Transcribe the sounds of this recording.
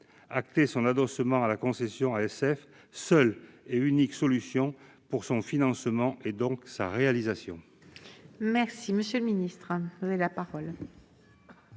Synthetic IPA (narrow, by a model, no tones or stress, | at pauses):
ak̚t̪esɔ̃nad̪ɔsəmɑ̃alakɔ̃sɛsjɔ̃aɛsɛf | sœleyniksɔlysjɔ̃ | puʁsɔ̃finɑ̃smɑ̃ʔed̪ɔ̃ksa̰ʁealizasjɔ̃ | mɛʁsiməsjøləminist̪χəuzaelapaʁɔl